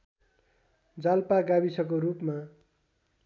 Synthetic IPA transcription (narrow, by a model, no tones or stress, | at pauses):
d͡zalpaɡabisʌk̬oɾupma